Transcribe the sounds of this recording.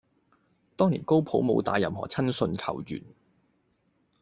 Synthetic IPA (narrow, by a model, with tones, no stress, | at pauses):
t̪ɔː˥ŋliː˨˩nko˥wpʰo˨˥wmo̰˨˧wt̪a̰ː˨˧jɐ̰˨˧mhɔ̰ː˨˩t͡sʰɐ˥nsɵ˧nkʰɐ̰˨˩wjy̰ː˨˩n